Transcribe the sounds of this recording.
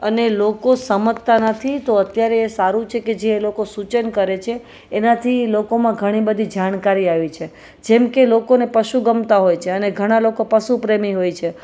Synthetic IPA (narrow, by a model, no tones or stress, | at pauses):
ənelokosəmət̪ːanət̪ʰit̪oət̪jaɾeːsaɾũt͡ʃʰeked͡ʒeːlokosut͡ʃənkəɾet͡ʃʰeː | nat̪ʰilokomãɡʱəɽ̃ibəd̪ʱid͡ʒaɽ̃kaɾiaʋit͡ʃʰe | d͡ʒemkelokonepəʃuɡəmt̪aɦojt͡ʃʰeəneɡʱəɽ̃alokopəʃupɾemiɦojt͡ʃʰe